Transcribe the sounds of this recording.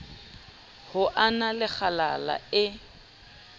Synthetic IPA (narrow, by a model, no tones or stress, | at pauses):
hʊʔanalɪk͡xʰala̰la̰ɪ